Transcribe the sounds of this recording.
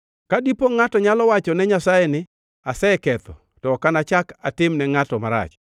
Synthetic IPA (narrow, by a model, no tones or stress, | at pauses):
kadipoŋatɔɲalɔwat͡ʃɔnɛɲasajɛnɪ | asɛɛkɛt̪ɔ | tɔkanat͡ʃakatɪmnɛŋatɔmaɾa̰t͡ʃ